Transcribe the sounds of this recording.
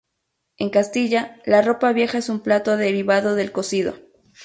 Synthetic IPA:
e̞ŋkast̪iʝalaro̞paβje̞xaesumplat̪oaðe̞ɾiβaðo̞ðe̞lko̞siðo̞̰

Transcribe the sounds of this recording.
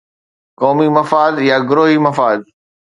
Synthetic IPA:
kɔːmimɐfaːd̪jaɡʊɾoːɦimɐfaːd̪̚

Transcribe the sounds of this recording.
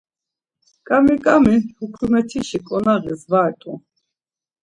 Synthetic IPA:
kʼamikʼamihukʰɾumɛt̪ʰiʃikʼɔnaʁisvaːɛt̪ʼu

